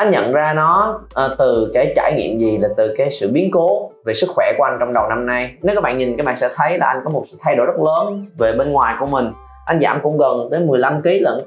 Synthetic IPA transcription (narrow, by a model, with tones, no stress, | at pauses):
ʔa˧jŋ̟ɲə̰˧˨nzaː˧nɔ˨˦ʔt̪ɨ˨˩ka˧˩˦jt͡ɕaː˧˩jŋḭ˧˨əmzi˨˩laː˨˩t̪ɨ˨˩kaː˨˦jsɨ̰˧˨ɓi˨˦ənko˨˦ve˨˩sɨ˦˥k̚xwɛ˧˩ku˧˩ə˦ʔa˧ŋ̟t͡ɕɔ˧wŋ͡mɗə˨˩wna˧mna˧jne˨˦wkːaː˨˦˥ɓa̰ː˧˨nɲi˨˩ŋkaː˨˦jɓaː˧˨nsɛ̰˧˥t̪ʰə˨˦jlaː˨˩ʔa˧ŋ̟kɔ˨˦mo˨˩t̚sɨ̰˧˥t̪ʰa˧jɗo˧˩jzə˦˥t̚ləː˨˦nve˨˩ɓe˧nŋwaː˨˩jku˧˩əmï˨˩ŋ̟ | ʔa˧jŋ̟zaː˧˩mkʊ̰˧˥ŋ͡mɣə˨˩nt̪ə˨˦jmɨ˨˩əjla˧mki˨˦lə̰˧˩˨n